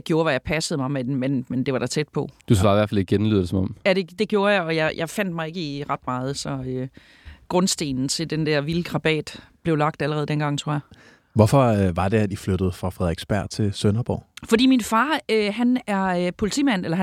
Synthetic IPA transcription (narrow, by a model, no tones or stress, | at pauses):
ɡ̥jo̝ːɐʋæjɑ̈ɪpʰæsəð̩ˠmɑ̈ɪmedmenmend̥e̝ʋɑ̈ɾ̥ɑ̈t͡sʰed̥pʰɒ̽d̥usʋɑ̈ːiʋæɐ̰fæliɡ̥enly̰ð̰ˠɐ̥desɒmɒ̽mjæd̥e̝d̥e̝ɡ̥jo̝ːɐjɑɪɒ̽jɑ̈ɪjʔɑ̈ɪfæn̰d̥̚mɑ̈ɪe̝ɡ̥əiʁɑ̈d̥mɑ̈ːð̞̩ˠsɒ̽ø | ɡ̥ʁɔ̽nsd̥e̝̰ːnn̩t͡sʰe̝ld̥end̥æɐʋiləɡ̥ʁɑ̈b̥ɛ̰ːd̥b̥le̝ʊlɑ̈ɡ̥̚d̥æləʁɛːðˠd̥enɡ̥ɑ̈ŋ̰t͡sʰʁo̰ɐja | ʋɒfɒʋɑ̈d̥eæd̥iflød̥əð̞̩ˠfʁɑ̈fʁɛðˠeɡ̥sb̥æɐd̥̚t͡sʰe̝lsønɐb̥ɒ̰ːfɒ̽d̥ḭːminfɑ̈ːøɦænæɐøpʰo̝lit͡sʰḭːmæn̰elɐɦ